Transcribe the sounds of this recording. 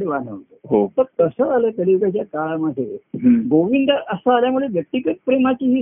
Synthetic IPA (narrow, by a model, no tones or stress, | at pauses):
ɽeʋanə̰ʋt̪əɦot̪əɾt̪əsəalət̪əliʋɡat͡ɕjakaɭaməd̪ʱːeɦɡoʋind̪əʔəsəːljamuɽeʋjək̚ʈikəʈ̚pɾemat͡ɕiːɦi